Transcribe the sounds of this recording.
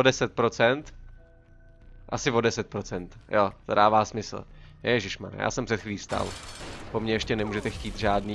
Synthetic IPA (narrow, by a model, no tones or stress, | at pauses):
odɛsɛt̪̚pɾo̞t͡sɛnt̪ | ʔa̰sɪvo̞dɛsɛt̪̚pɾot͡sɛnt̪jot̪odaːvaːsmɪsl̩nɛʒɪʃma̰n̰ja̰ːsɛmpr̥ɛt̪xviːst̪a̰lpo̞mɲɛjɛʃcɛnɛmuːʒɛt̪ɛxciːt̪ʒaːdniː